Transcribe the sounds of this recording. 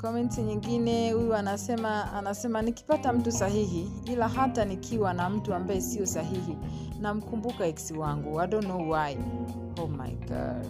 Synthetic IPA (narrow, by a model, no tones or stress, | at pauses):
kɔmɛnsiɲiŋɡinɛhujuanasɛmaanasɛmaniki̥patam̩tusaɦiɦi | ilaɦatanikʰiwanam̩tuambaɛsiɔsaɦihi | nam̩kumbukaɛksiwaŋɡuwaɗɔnɔuwai | hɔma̰jka̰l